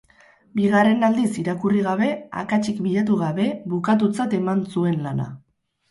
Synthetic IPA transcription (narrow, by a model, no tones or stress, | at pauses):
biɣare̞nald̪isiɾakuriɣaβe̞a̰kat͡ʃikbiʎat̪̬uɣaβe̞βukat̪̬ut͡sat̪e̞mansue̞nlana̰